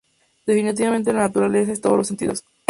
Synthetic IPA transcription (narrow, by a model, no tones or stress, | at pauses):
d̪̥e̞finit̪̬iβament̪̬e̞lanat̪uɾale̞s̬aest̪oðolosent̪ḭðo̞s